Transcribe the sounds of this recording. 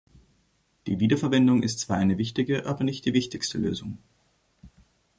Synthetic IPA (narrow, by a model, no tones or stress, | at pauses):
d̥ḭːviːdɐfɛɐvɛndʊŋʔɪ̰stt͡sv̥aːɐʔaɪnəvɪçtɪɡəʔaːbɐnɪçt̚d̥iːvɪçtɪçstəlø̰ːzʊŋ